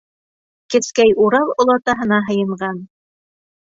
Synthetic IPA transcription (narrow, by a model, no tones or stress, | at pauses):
kɘ̆skæjuɾɑlˠŏlˠɑt̪ɑɦɤ̆nɑɦɤ̆jɤ̆ɴɢɑn